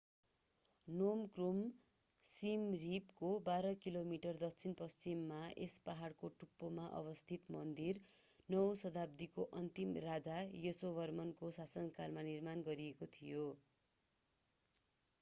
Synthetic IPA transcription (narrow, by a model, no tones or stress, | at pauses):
nomkrum | simripkobaɾʌkilomiʈʌrd̪ʌk̚t͡sʰinpʌst͡simːaespaɦaɽkoʈupːomaʔʌ̰bʌst̪ʰit̪mʌnd̪ir | nʌwsʌd̪ab̚d̪ikoʔʌnt̪imrad͡zajesobʱʌrmʌnkosasʌnkalmanirmanɡʌɾiekot̪ʰijo